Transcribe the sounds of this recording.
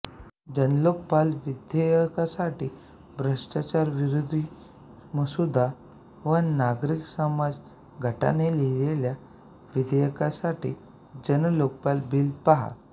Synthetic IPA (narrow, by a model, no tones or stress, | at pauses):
d͡ʑənlok̚palʋid̪jəjkasaʈiː | bʱɾəʂʈat͡ɕaɾʋiɾod̪ʱi | məsud̪ʱa | ʋənaɡɾiksəmad͡z | ɡʱəʈa̰nelilelja | ʋid̪ʱəjəkasaʈḭː | d͡ʑənlok̚palbilpaɦa̰